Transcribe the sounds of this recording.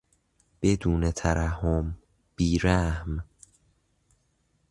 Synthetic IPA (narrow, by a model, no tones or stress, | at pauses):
b̥e̞d̪uːne̞t̪ʰæɾʔæhom | b̥iːɾæhm